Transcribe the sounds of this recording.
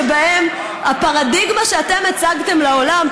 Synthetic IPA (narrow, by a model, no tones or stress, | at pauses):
baem | hapaʁadiɡmaʃeate̞met͡saɡt̪e̞mlaolam